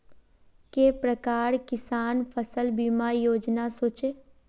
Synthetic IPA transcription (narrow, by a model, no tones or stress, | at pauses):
kepɾəkaːɾkɪsaːnpʰəsəlbiːmajoːd͡ʒnasoːt͡ʃe